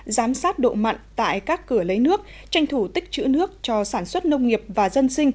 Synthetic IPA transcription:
zaː˨˦msaː˦˥t̚ɗo̰˧˨ma̰˧˨jŋ̟t̪a̰ː˧˨jkaː˦˥kːɨ˧˩ələ˨˦jnɨ˦˥ək̚ | t͡ɕa˧jŋ̟t̪ʰu˧˩t̪ï˦˥k̚t͡ɕɨ̰˧˥nɨ˦˥ək̚t͡ɕɔ˧saː˧˩nswə˦˥t̚nə˧wŋ͡mŋi˨˩əp̚vaː˨˩zə˧nsï˧ŋ̟

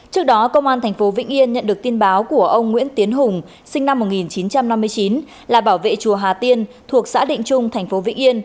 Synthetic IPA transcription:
t͡ɕɨ˦˥ək̚ɗɔ˨˦kə˧wŋ͡mʔaː˧nt̪ʰa˨˩jŋ̟fo˨˦vḭ̈˧˥ŋ̟ʔi˧ənɲə̰˧˨nɗɨ˨˩ək̚t̪i˧ənɓaː˨˦wku˧˩əʔə˧wŋ͡mŋwḭ˧˥ənt̪i˨˦ənɦʊ˨˩ŋ͡m | sï˧ŋna˧mːo˨˩t̚ŋi˨˩nt͡ɕi˨˦nt͡ɕa˧mna˧mːɨ˧əjt͡ɕi˨˦n | laː˨˩ɓaː˧˩wvḛ˧˨t͡ɕu˨˩əɦaː˨˩t̪i˧ənt̪ʰu˨˩ək̚sa̰ː˧˥ɗḭ̈˧˨ŋ̟t͡ɕʊ˧ŋ͡mt̪ʰŋ̟fo˨˦vḭ˧˥ŋ̟ʔi˧ən

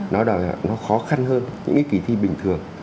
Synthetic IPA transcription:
nɔ˨˦ɗɔ˧˩˨nɔ˨˦xɔ˨˦xa˧nɦəː˧nɲɨ̰˧˥ŋka˨˦ki˧˩t̪ʰi˧ɓï˨˩ŋ̟t̪ʰɨ˨˩əŋ

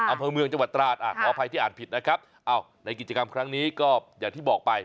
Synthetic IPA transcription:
ʔa˧mpʰɤː˧mɯ˧əŋt͡ɕa˧ŋwa˨˩t̪ːɾaː˨˩t̪̚ʔaː˨˩pʰɔː˨˧˥pʰa˧j̪iː˥˩ʔaː˨˩t̚pʰi˨˩t̪̚na˦˥kʰɾa˦˥p̚ | ʔaː˧˩w | na˧jk̬i˨˩t͡ɕa˧ka˧mkʰɾa˦˥ŋniː˦˥kɔː˥˩jaː˨˩ŋt̪ʰiː˥˩bɔː˨˩k̚pa˧j

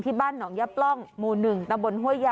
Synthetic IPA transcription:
t̪ʰiː˥˩baː˥˩nːɔː˩˦ŋjaː˦˥p̚lɔ˥˩ŋmuː˨˩nɯ˨˩ŋt̪a˧mbo˧nɦu˥˩əja˧

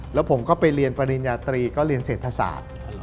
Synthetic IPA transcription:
lɛː˦˥wpʰo˩˦mkɔː˥˩pa˧jɾi˧ənpa˧ɾi˧njaː˧t̪ɾiː˧kɔː˥˩ɾi˧ənseː˨˩t̪ʰːa˧sa̰ː˨˩˦t̪̚

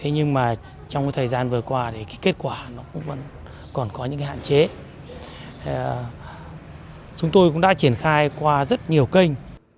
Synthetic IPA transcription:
t̪ʰe˨˦ɲɨ˧ŋmaː˨˩ | t͡ɕɔ˧wŋ͡mka˨˦jt̪ʰəː˨˩jzaː˧nvɨ˨˩əkwaː˧ɗe˧˨˩kaː˨˦ke˦˥t̚kwaː˧˩nɔ˨˦kʊ̰˧˥ŋ͡mvə̰˧˥n | kɔ˨˩nkɔ˨˦ɲɨ̰˧˥ŋa˨˦ha̰ː˧˨nt͡ɕe˨˦ | t͡ɕʊ˨˦ŋ͡mt̪o˧jkʊ̰˧˥ŋ͡mɗa̰˧˥t͡ɕi˧˩ənxaː˧jkwaː˧zə˦˥t̚ɲi˨˩əwkə˧jŋ̟

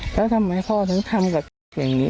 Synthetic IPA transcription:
lʰɛː˦˥˩t̪ʰa˧mːa˧˩jkʰɔː˥˩t̪ʰa˦˥ŋt̪ʰa˧mka˨˩p̚jaː˨˩ŋniː˦˥

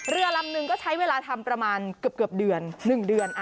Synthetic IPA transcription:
ɾɯ˧ɐla˧mnɯ˨˩ŋkɔː˥˩t͡ɕʰa˦˥jweː˧laː˧t̪ʰa˧mpɾa˧maː˧nkɯ˨˩əp̚kɯ˨˩əp̚dɯ˨˩ənːɯ˨˩ŋdɯ˧ənʔ

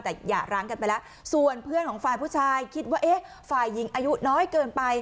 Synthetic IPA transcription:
t̪ɛː˨˩jaː˨˩ɾaː˦˥ŋka˧npa˧jlɛ˦˥ | su˨˩ənpʰɯ˥˩ənkʰɔː˩˦ŋfaː˧jpʰu˥˩t͡ɕʰaː˧jkʰi˦˥t̪̚waː˥˩ʔeː˦˥ | faː˨˩jːi˨˩˦ŋʔaː˧ju˦˥nɔː˦˥jkɤː˧npa˧j

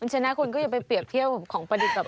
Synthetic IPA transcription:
a˧nt͡ɕʰa˧na˦˥kʰu˧nkɔː˥˩a˨˩pa˧jpli˨˩əp̚t̪ʰi˥˩əw̚kʰɔː˩˦ŋpɾa˧di˨˩ka˨˩

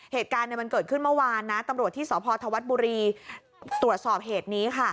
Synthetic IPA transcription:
heː˨˩t̪̚kaː˧nː˨˧jma˧nkɤː˨˩t̪̚kʰɯ˥˩nmɯ˥˩waː˧nːa˦˥t̪a˧mɾu˨˩ət̪ʰːiː˥˩sɔː˩˦pʰɔː˧t̪ʰa˧wa˦˥t̪̚buː˧ɾiː˧ | t̪ɾu˨˩ət̪̚sɔː˨˩p̚ɦeː˨˩t̪̚niː˦˥kʰa˥˩

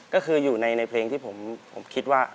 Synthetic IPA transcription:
kɔː˥˩kʰɯː˧juː˨˩na˧jna˧jpʰleː˧ŋt̪ʰiː˥˩pʰo˩˦mpʰo̰˩˦mkʰi˦˥t̪̚waː˥˩

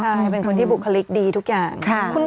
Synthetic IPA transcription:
aː˥˩pe˧nkʰo˧nt̪iː˥bu˨˩kʰːa˧li˦˥k̚diː˧t̪ʰu˦˥k̚jaː˨˩ŋʰ˧kʰu˥˩n

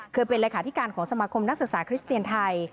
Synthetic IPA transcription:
kʰɯː˧pe˧nleː˧kʰaː˩˦t̪ʰi˦˥kaː˧nkʰɔː˩˦ŋsa˧maː˧kʰo˧mna˦˥k̚sɯ˨k̚saː˩˦kʰɾi˦˥st̪i˧ənt̪ʰa˧j

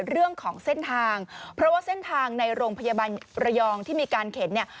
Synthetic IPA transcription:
ɾɯ˥˩əŋkʰɔː˩˦ŋse˥˩nt̪ʰaː˧ŋpʰɾɔ˦˥waː˥˩se˥˩nt̪ʰaː˧ŋna˧jɾoː˧ŋpʰa˧jaː˧baː˧nɾa˧jɔː˧ŋt̪ʰiː˥˩miː˧kaː˧nkʰe˩˦nːi˥˩ə

